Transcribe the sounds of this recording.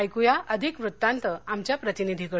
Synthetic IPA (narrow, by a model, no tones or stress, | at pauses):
jkujaʔəd̪ʱikʋɾut̪ːant̪əamt͡ɕjapɾət̪inid̪ʱikə